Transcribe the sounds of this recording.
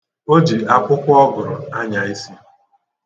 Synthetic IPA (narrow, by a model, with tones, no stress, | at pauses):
o˦d͡ʒi˨a˨kʷʊ˦kʷʊ˦ɔ˦ɡʊ˨ɾʊ̰˨a˦ɲa˨i˦si˦